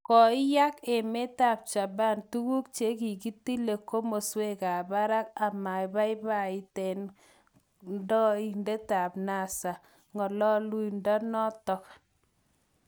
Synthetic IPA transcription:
kɔ˨ɪ˦ja˦ke˨me˦ta˨p̚t͡ʃa˨ba˦ntu˦ku˦k̚t͡ʃe˦ki˨ki˦ti˦le˨ko˦mo˨swe˦ka˨ba˦ɾa˦k̚a˨ma˨ɪ˨ba˦ɪ˦ba˦˨ɪ˦tɛ˨n | ndɔ˦i˦nde˦ta˨pna˦˨sa˨ | ŋɔ˨lɔ˦lu˦i˨ndɔ˦nɔ˦tɔ˦k

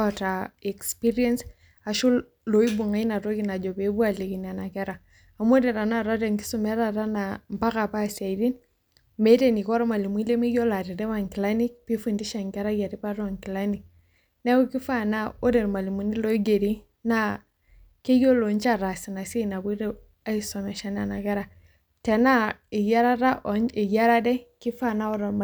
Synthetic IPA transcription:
ɔ˨ta˨ɛ˨kspi˦ɾiɛ˦ns | a˨ʃu˦l | lo˨i˦bu˨ŋa˨˦i˦na˨ɾɔ˦ki˦na˨d͡ʒɔ˨be˨˦bu˦a˨le˨ki˨ni˨a˨na˨kɛ˦ɾaː˨ | m˦o˦dɛ˨ɾa˨na˦˨ɾɔ˦dɛ˨ŋki̥˦su˨mɛ˦ɾa˨ɾa˦na˨mpa˦ka˨pa˦sa˨i˨di˦n | me˦ɾe˨ni˨kɔ˦ɾɔ˦ma˨li˨mu˨i˦le˦mi˦ɡɔ˦la˨ɾi˨ɾɛ˦wa˨ŋki˨la˦ni˦kpi˦fu˨ndi˦ʃɛ˨ŋkɛ˦ɾa˦ɡa˨ɾi˦pa˦ɾɔ˨ŋki˨la˦ni˨k̚ | ne˦wu˦ki˦fa˦na˦o˦de˨ɾma˨li˨mu˨ni˦lo˦i˦ɡe˨ɾi˦ | na˦ | ke˦jo˦lo˨nt͡ʃa˦˨ɾa˨si˨na˨si˦˨na˨bu˦ɾe˦ | a˦i˦so˨mɛ˨ʃa˨n˦a˨na˨kɛ˦ɾa˨ | te˨na˦i˨ja˦ɾa˦ɾa˦ʔi˨ja˦ɾa˦dɛ˦ki˦fa˦˨na˦ɔ˦ɾo˨

